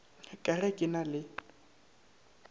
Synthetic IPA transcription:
kʼarɛkʼɪnalɪ

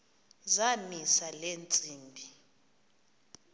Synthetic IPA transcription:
zamisalent͡sʼiːmbʱi

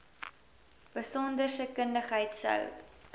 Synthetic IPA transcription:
b̥əsɔndərsəkəndəχɦəjtsə̰w

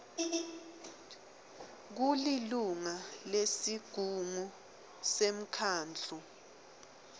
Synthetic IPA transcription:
k̬uliluŋalesiɡ̥ʱuŋu | sem̩kʰaːnd͡ɮʱu

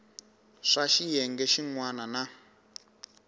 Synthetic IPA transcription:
ʂaʃijɛŋɡɛʃiŋwanana

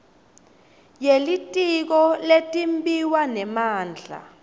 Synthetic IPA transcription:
jelitʼik̬ɔletʼimbiwanɛmaːnd͡ɮʱa̰

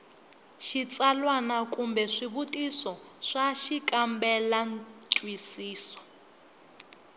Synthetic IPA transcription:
ʃit͡sʼalwanakʼumbɛʂiβutʼisɔʂaʃikʼambɛlantʼwisiːsɔ̥

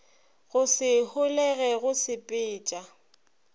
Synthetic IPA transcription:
ɣʊsɪhʊlɛɣɛɣʊsɪpʼɪːt͡ʃʼa

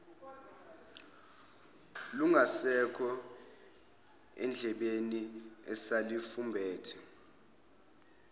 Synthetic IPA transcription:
luŋʱasɛkʰɔ | ɛ̰nd͡ɮʱɛɓeniɛsalifumbʱɛːtʰɛ̥

